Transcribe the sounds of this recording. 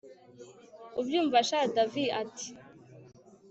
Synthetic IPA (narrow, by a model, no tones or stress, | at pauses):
ubjuːɱvaʃadaviʔati̥